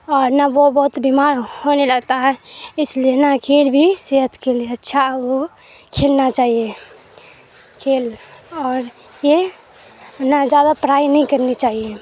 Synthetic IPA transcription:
ɔːɾnaʋobɔɦʊt̪bimaːɾhoːneləɡt̪aɦɛɪslienakʰeːlbʱiseɦət̪kelieətːʃʰaɦʋo | kʰeːlnat͡ʃaːɦije | kʰeːlɔːɾ | je | nad͡ʒjaːd̪apɾaːjnəɦĩkəɾnit͡ʃaːɦije

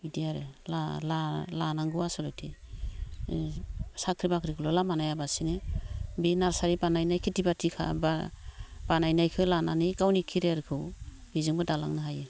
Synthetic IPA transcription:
idijaɾelalalanaŋɡuasɔlɔjtʰi | sakʰɾibakʰɾiɡɯlɔlamanajabasinɯbinaɾsaɾibanajnajkʰitibatʰikʰa̰ba | b̥anajnajkʰɯlananɯjkawnikʰiɾeaɾikʰɯw | bizɯŋbadalaŋnaɦajɯ

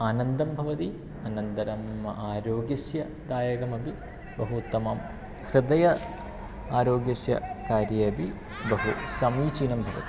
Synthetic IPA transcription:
aːnɐnd̪ɐmbʱɐʋɐt̪i | ɐːnɐnd̪ɐɾɐmɐ̰ʔaːɾoːɡjɐsjɐ | d̪aːjɐkɐmɐbi | bɐɦut̪ːɐmaːm | hɾɪd̪ɐjɐ | aːɾoːɡjɐsjɐ̰kaːɾjɐɐbi | bɐɦusɐmiːt͡ʃiːnɐmbʱɐʋɐ̰t̪i̥

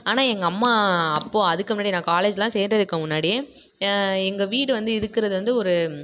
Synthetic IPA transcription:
aːnaːɛŋɡɐːmːaːɐpːoːɐðɯkːɯmʊnːaːɽinãːkaːleːd͡ʒlãːseːndrɐðɯkːɯmʊnːaːɽije | ɛŋɡɐʋiːɽɯʋɐnd̪ɯɪɾɯkːɪɾɐðɯʋɐnd̪ɯɔɾɯ

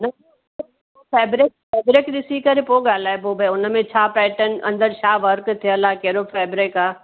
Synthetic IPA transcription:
nɐ | fɛːbɾɪk̚fɛːbɾɪkɗɪsikɐɾepoːɠaːlaːepoːbəʊnə̆mẽt͡ɕʰaːpɛːʈən̆ʔɐ̃nd̪əɾt͡ɕʰaːʋɐɾkt̪ʰijəlaːkɐɦɪɾofɛːbɾekaː

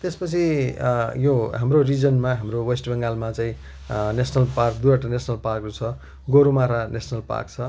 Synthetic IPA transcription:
t̪espʌt͡sʰi | joɦamrorid͡zʌnmaɦamrowesʈbʌŋɡalmat͡saĩ | nesʰnʌlparkd̪uɾaʈanesʰnʌlparkrut͡sʰʌ | ɡoɾumaɾanesʰnʌlpa̰rk̚t͡sʰʌ

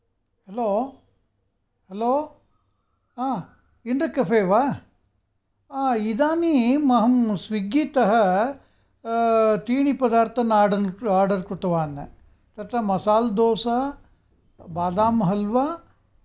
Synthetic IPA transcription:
heloː | heloː | aː | inɖɾɐkɐfʰeːʋa | aːid̪aːnimɐɦɐmsʋiɡiːt̪ɐɦɐ | t̪iːɳipɐd̪aːɾt̪ʰɐnaːɖɐnaːɾɖɐɾkɾut̪ɐʋaːnːɐ̰ | t̪ɐt̪ɾɐmɐsaːld̪ɔːsɐ | baːd̪aːmɦɐlʋa

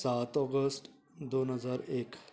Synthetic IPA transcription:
saːt̪ɔːɡəsʈ | d̪oːnɦəzaːɾeːk

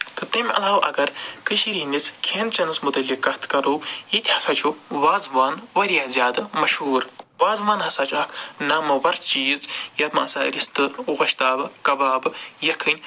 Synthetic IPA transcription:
t̪ɨt̪ɐmʲʔɐ̰laːʋʔɐ̰ɡɐɾkɨʃiɾiːnʲit͡sʰkʰeːnt͡ʃɐnɨsmut̪ɐlʲikːɐt̪kɐɾuːjit̪ʲhɐsat͡ʃʰuʋaːzʋaːnʋɐɾjaːzʲjaːd̪ɐmɐʃhuːɾʋaːzʋaːnɦɐsaːt͡ʃʰɐkʰnaːmɐʋɐɾt͡ʃiːzjɐt̪mɐ̰ɐsaːɾist̪ɨɣɐʃt̪aːbɨkɐbaːbɨjɐkʰːɨnʲ

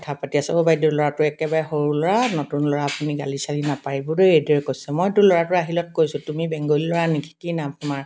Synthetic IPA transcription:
ɔtʰapatiasɛobajdulɔɹatʊɛkɛbaɹɛhoɹulɔɹanotunlɔɹaːpuniɡalisalinapaɹibudeedɛɹkojsɛmɔjtʊlɔɹatʊaɦilɔt̚kojsʊtumibɛŋɡɔlilɔɹanikʰi̥kinamtʊmaɹ

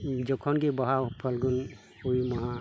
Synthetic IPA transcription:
d͡ʒɔkʰɔnɡɛbaɦawpʰalɡɔn | ojmaɦa

